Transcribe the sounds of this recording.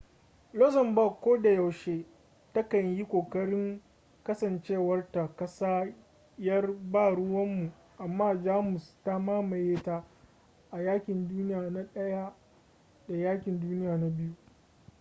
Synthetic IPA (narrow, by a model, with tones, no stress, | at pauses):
lɔ˦zɐ˨mbɐ˦˨kʷːoː˦da˨ja˨wʃeː˦ | tɐ˦kɐ˨ɲji˦kʷoː˨kɐ˦ɽɪ˦ŋ | kɐ˦sɐ˨nt͡ʃeː˦˨wɐ˦rta˨kɐ˦saː˦ | jɐ˦rbaː˦˨ɽʊ˦wɐ˦mːu˨ | ʔa˨mːaː˦d͡ʒaː˦mʊ˨sta˦maː˦ma˨jeː˦ta˦ | ʔa˨jaː˦kʲɪ˨nduː˦nɪ˦jaː˨na˦ɗɐ˦ja˦ | da˨jaː˦kʲɪ˨nduː˦nɪ˦jaː˨na˦bɪ˦ju˦